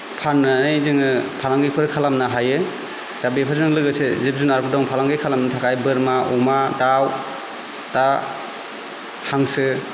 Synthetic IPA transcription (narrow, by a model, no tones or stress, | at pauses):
pʰanːɯnɯjzɯŋɯpʰalaŋɡɯjpʰɯɾɯkʰalamnaɦajɯ | z̥abepʰazɯŋlɯɡɯsezip̚zunaɾpʰɯdɔŋpʰalaŋɡɯjkʰalamnɯtʰakʰajbɯɾmaumadaw | d̥a | haŋsɯ